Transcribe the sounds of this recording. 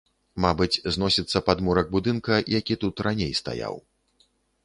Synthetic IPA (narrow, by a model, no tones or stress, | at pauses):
mabɨt͡sʲznɔsʲit̪sːɐpad̪muɾɐɡ̚bud̪ɨnkɐjakʲit̪ut̪ranʲejst̪a̰ja̰w